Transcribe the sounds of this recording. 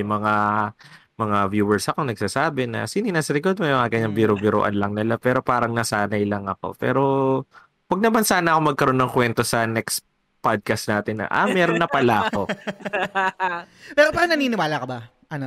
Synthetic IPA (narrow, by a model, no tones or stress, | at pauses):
ŋmɐŋa | mɐŋavjuːɛɹsɐko̞nɐɡ̚saːsaːbɛnɐ̰sinɪnasɐɾɪɡod̪mɛjmɐŋaɡɐɲːaŋbiɾobɪɾo̰ʔɐ̰nlɐŋnɪlapɛːɾo̞paːɾɐŋnɐsaːnɐjlɐŋɐko̞̰pɛ̰ːɾo̞ | wɐɡ̚nɐmansaːnɐʔɐko̞mɐɡ̚kɐɾo̞nːɐŋkwɛnt̪o̞sɐnɛks | pad̪̚kɐst̪naːt̪ɪnːɐ̰ʔa̰mɛːɾonːɐpɐlaʔɐko̞ | pɛːɾopaɾɐŋnɐniːnɪwaːlɐkɐba | ʔɐno